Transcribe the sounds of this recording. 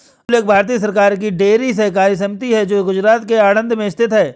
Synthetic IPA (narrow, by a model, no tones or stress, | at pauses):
ʊleːk̚bʱaːɾt̪̬iːəs̬ɐɾkaːɾk̬iɖeːɾis̬ɐɦk̬aːɾis̬ɐmɪt̪iɦɛd͡ʒoːɡʊd͡ʒɾaːt̪keaːɽ̃ə̃nd̪ʱmẽɪst̪ʰɪt̪ɦɛː